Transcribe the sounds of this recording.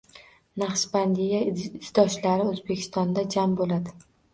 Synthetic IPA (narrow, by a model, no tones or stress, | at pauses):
naχʃband̪ijaɪzd̪ɒʃlaɾɪɵzbekʲʰɪ̥st̪ɒnd̪ad͡ʒambolad̪ɪ